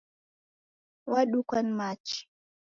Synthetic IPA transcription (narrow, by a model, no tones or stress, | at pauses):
waɗukʷɐnmaːt͡ʃi̥